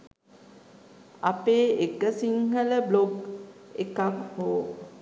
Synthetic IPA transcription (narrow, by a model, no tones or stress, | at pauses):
a̰peːekəsiŋhələbloɡekakhoː